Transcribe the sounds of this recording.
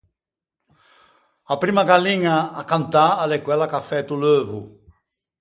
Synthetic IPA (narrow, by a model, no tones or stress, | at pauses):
apɾimɐɡalĩɲɐːkãnt̪aalekwɛlakafɛt̪ulovu